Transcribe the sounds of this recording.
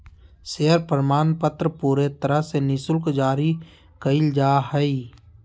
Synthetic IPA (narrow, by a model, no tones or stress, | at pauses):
seːəɾpɾmaːnpət̪ɾəpuːɾet̪əɾəɦsenɪsʊlkd͡ʒaːɾi | kəɪld͡ʒaːhəi